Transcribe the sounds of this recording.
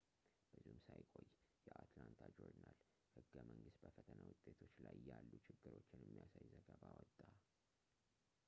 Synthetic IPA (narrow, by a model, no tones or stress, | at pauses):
b̥ɨzihumsajkʼo̞jːjɛʔat̪lant̪ʰad͡ʒoɾd̪nal | hɨɡːəməŋɡɨst̪̚bəfət̪ʰənawʊt̪ʼe̞t̪ʰo̞t͡ʃːlajjalːut͡ʃʰɪɡːɨɾo̞t͡ʃːɪnjɛmːijasajzəɡəβawɔt̪ʼːa